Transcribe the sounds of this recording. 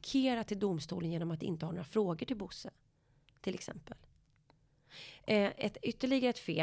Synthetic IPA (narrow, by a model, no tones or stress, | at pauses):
kʰeːɾat̪ʰːɪld̪ʊmst̪ṵːlənjeːnɔmat̪d̪ɛɪ̰nt̪əhaɾɳoːɾafɾoːɡəʈɪlbʊsːə | t̪ʰɪlɛ̰ksɛ̰mpəl | ɛt̪ʏt̪ːəɭɪɡaɾəɛt̪fḛː